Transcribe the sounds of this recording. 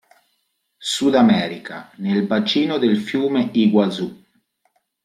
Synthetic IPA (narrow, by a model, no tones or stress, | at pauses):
sud̪amɛːɾika̰nelvat͡ʃiːnod̪elfjuːmeiɡwad̪zu